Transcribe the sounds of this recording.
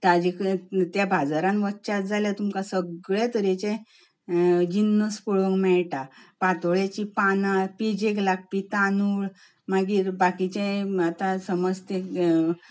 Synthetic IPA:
t̪ad͡ʑikt̪jabʱad͡zaɾãnʋətːt͡ɕat̪̚d͡zaljat̪umkasəɡɭet̪əɾet͡ɕẽ | d͡ʑinːəspuɭəŋɡmɛɭʈapat̪ɭat͡ɕipanapid͡ʑeklak̚pit̪anuɭ | maɡiːɾbakit͡ɕẽat̪asəməd͡zt̪e

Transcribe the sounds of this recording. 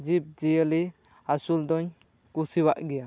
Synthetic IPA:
d͡ʒip̚d͡ʒijəli | asuld̪ɔɲ | kusiwaʔɡɛja

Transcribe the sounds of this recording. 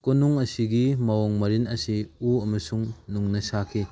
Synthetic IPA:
konuŋɐsiɡimɐwoŋmɐɾinɐsiuɐmɐsuŋnuŋnɐsakʰi

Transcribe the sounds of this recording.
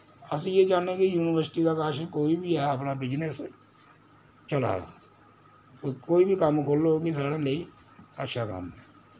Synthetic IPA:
əsĩːeːd͡ʒaːnẽːkɪjuːnɪʋəɾsɪʈiːd̪aːkaːʃkoːiːbʱiːɛːəpnaːbɪd͡ʒnəs | t͡ʃəla̰ːd̪a̰ː | koːiːbiːkəmkʰoːlːooːkis̬aːɽaːləiː | ətːʃʰaːkə̰mɛ̰ː

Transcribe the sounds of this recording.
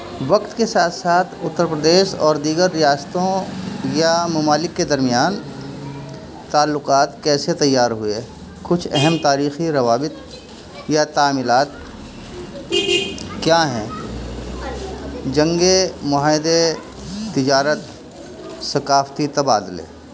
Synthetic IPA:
ʋɐqt̪kesaːt̪ʰsaːt̪ʰʊt̪ːəɾpɾəd̪eːʃɔːɾd̪iːɡəɾːɪjaːst̪õjamɐmaːlɪkːed̪ɐɾmɪjaːn | t̪aːlːʊqaːt̪kɛːset̪ɐjːaːɾɦʊe | kʊt͡ʃʰɛɦɛmt̪aːɾiːxiɾɐʋaːbɪt̪̚ | jat̪aːmɪlaːt̪̚ | kjaːɦɛ̃ː | d͡ʒɐ̃ŋɡemʊɦaːɪd̪e | t̪ːɪd͡ʒaːɾət̪ | sɐkaːft̪it̪ɐbaːd̪ɪlḛː

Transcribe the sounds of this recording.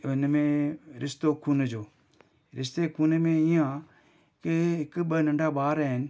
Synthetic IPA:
ʊnmẽɾɪst̪okʰuːnd͡ʑoː | ɾɪst̪ekʰuːnmẽijã | keɦɪkɓənɐ̃ɳɖabaːɾaɦɪnɪ̆

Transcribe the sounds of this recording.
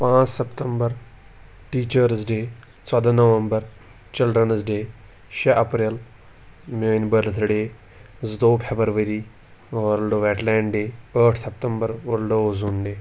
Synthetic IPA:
pãːt͡ʃsəpt̪əmbəɾ | ʈiːt͡ʃəɾzɖeː | t͡sɐd̪anɐʋəmbəɾ | t͡ʃɪlɖɾənzɖeː | ʃeʔɐpɾel | mõːnbəlt̪ʰɽeː | zd̪oːpʰebəɾʋəɾiː | ʋoɾlɖoʋɛːʈlɛ̃ːɳɖɖeːəːʈʰsɐpt̪əmbəɾʋəɾlɖozuːnɖeː

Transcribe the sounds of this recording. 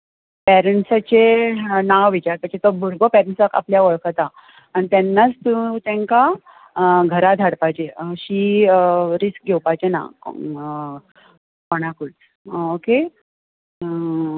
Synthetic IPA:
pɛɾəɳʈsat͡ɕenaʋʋit͡ɕaɾt̪əset̪obʱuɾɡopɛɾəɳsaka̰pljaʋəɭkat̪a | añit̪ɛnːat͡st̪ũt̪ɛ̃ŋka | ɡʱəɾad̪ʱaɽpajt͡ɕeɕiː | ɾisk̚ɡʱewpajt͡ɕena̰ | kɔɽ̃akut͡s | oke

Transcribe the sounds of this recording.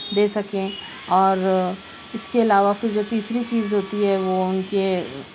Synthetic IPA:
d̪eːsɐkẽ | ɔːɾ | ɪskeɪlaːʋafɪɾd͡ʒoːt̪iːsɾit͡ʃiːzɦoːt̪iɦɛʋoʊnke

